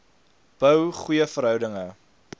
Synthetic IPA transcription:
b̥œwχujəfəɾɦœwdəŋə

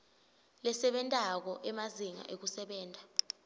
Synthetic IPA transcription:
lɛsɛɓɛntʼak̬ɔʔɛmaziŋa̰ʔek̬usɛɓɛːntʼa

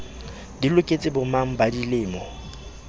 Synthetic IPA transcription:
dilʊkʼet͡sʼɪbʊmaŋ̩badilɪːmɔ

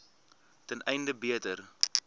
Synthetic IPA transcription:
tənʔɛjndəbiətər

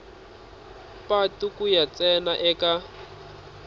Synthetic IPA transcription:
patukʼujat͡sɛnaʔɛkʼa

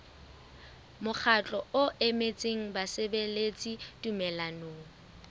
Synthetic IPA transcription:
mʊk͡xʰat͡ɬʼɔʊʔemet͡sʼeŋ̩basɪbelet͡sʼitʼumɛlanoːŋ̩

